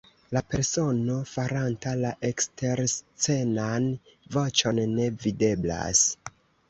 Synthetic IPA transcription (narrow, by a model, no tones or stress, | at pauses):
lape̞ɾso̞no̞faɾantalaʔe̞kstʰe̞ɾst͡se̞nanvo̞t͡ʃo̞nːe̞vide̞bla̰s